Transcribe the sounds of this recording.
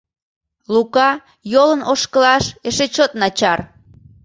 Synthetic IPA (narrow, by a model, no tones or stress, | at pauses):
lukɑ | jolənʔoʃkəlɑʃeʃet͡ɕot̪̚nɑt͡ɕɑr